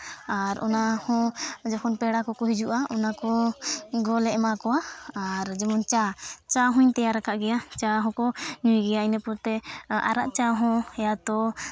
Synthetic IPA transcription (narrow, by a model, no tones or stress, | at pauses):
aɾɔ̰nahɔ̃d͡ʒɔkʰɔnpɛɽakɔkɔɦid͡ʒuʔaɔnakɔɡɔlɛʔmakɔaaɾd͡ʒɛmɔnt͡ʃat͡ʃaɦũɲt̪ɛjaɾakaʔɡɛjat͡ʃaɦɔ̃kɔɲujɡɛjainɛpɔɾt̪ɛa̰ɾa̰ʔt͡ʃaɦɔ̃ɛjat̪ɔ